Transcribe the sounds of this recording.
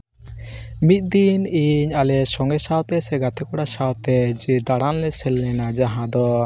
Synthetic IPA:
mit̪̚ˀd̪iniɲalɛsɔŋɡɛsawt̪ɛsɛɡat̪ɛkɔɽasawt̪ɛd͡ʒd̪aɽanlɛsɛlːɛnad͡ʒaɦãd̪ɔ

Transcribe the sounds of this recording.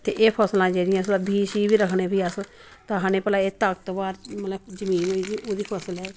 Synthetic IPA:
t̪ḛːʔeːpʰɔːslãːd͡ʒeːɾɪjãːsd̪aːbʱiːʃiːbiːɾəkʰneːbiːəs | t̪ãːɦanẽːpəlaːeːt̪əkt̪obaːɾmət̪ləbd͡ʒəmĩːnɦoːiːd̪iːoːd̪iːpʰɔːsəlɛː

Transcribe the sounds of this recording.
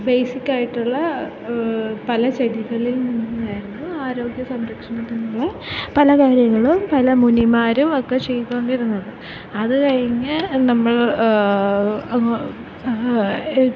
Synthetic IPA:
bejsikʲːaːjiʈːuɭːɐ | pɐlɐt͡ɕeɽiɣɐɭilninːunaːjiɾunːuaːɾo̞ːɡjɐsɐmɾɐkʂɐɳɐt̪ːenːuɭːɐ | pɐlɐkaːɾjɐŋːɐɭumpɐlɐmunimaːɾumokːet͡ɕe̞jt̪ːooɳɖiɾunːɐðɨ | ɐðɨkɐɻiŋːɐnɐmːɐɭ | ɐŋ

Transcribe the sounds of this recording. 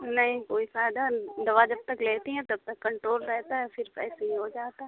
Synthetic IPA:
nɐɦĩkoːisaːjd̪ad̪ɐʋaːd͡ʒɐb̚t̪ɐkleːt̪iɦɛ̃t̪oɐb̚t̪ɐkːɐɳʈɾoːlɾɛɦt̪aɦɛfʰɪɾpɛ̰ːseɦiɦod͡ʒaːt̪aɦɛ

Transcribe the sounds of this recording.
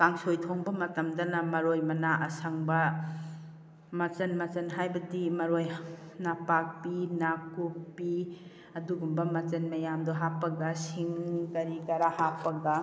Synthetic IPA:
kaŋsojtʰoŋbɐmɐtɐmdɐnɐmɐɾojmɐnaʔɐsɐŋbɐ | mɐt͡ʃɐnmɐt͡ʃɐnɦajbɐdimɐɾojnapak̚pinakupːi | ɐduɡumbɐmɐt͡ʃɐnmɐjamdoɦapːɐɡɐsiŋkɐɾiɡɐɾahapːɐɡɐ

